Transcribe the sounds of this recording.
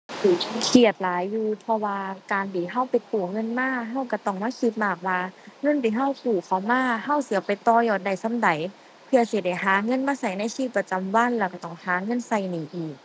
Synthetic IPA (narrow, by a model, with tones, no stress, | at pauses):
tuː˨˩˧kʰi˧˩ə˩t̪̚laː˨˦jːuː˧pʰɔ˧waː˧kaː˨nbiː˨˩ɦa˧˥˩wpa˨jpuː˨˩ŋɤ˧˥˨nmaː˧˥˨ɦa˧˥˩wka˧˩t̪ɔ˧˩ŋmaː˧˥˨siː˧˦p̚maː˧˩k̚waː˧ŋɤ˧˥˨ndiː˨˦ɦa˧˥˩wkuː˨˩kʰa˨˩wmaː˧˥˨ha˧˩˨wsɯ˨˦pa˨jt̪ɔː˧jɔː˧˨˩t̪̚da˨˩jsa˧˥˨mda˨˦j | pʰɯ˧ɐ˧si˧˦da˧˩jɦaː˨˦ŋɤ˧˥˨nmaː˧˥˨sa˧˩jna˧˨jsiː˧˩pːɾa˧t͡ɕa˨mwa˧˥˨nlɛː˧˩ka˧˩t̪ɔː˧˩ŋhaː˨˦ŋɤ˧˥˨nsa˧˩jniː˨˦ʔiː˨˩k̚